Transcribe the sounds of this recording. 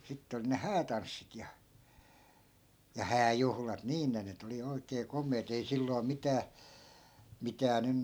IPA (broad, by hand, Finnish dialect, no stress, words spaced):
sitːe olĭ ne hæːtɑnsːit jɑ jɑ hæːjuhlɑt niːn ne nyt oli oi̯keː komˑeːt ei silːoi̯ mitæː mitæː nyn